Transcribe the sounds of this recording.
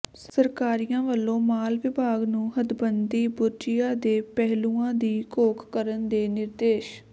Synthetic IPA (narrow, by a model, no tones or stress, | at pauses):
ssəɾkaːɾijãːʋəlːõːmaːlʋɪbʱaːɡnũːɦəd̪bənd̪iːbʊɾd͡ʒɪjaːd̪eːpɛɦluːãːd̪iːkoːkʰːəɾənd̪eːnɪɾd̪eːʃ